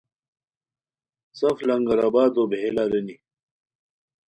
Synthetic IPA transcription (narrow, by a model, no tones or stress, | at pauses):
sɐflɐŋɡɐɾaːbaːd̪oːbʱelaːɾɐni